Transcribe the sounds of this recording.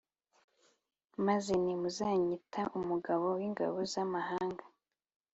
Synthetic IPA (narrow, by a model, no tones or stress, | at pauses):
maze̞nimuzaːɲitʰaʔumuɡaβo̞wiŋɡa̰βozamahaːŋɡa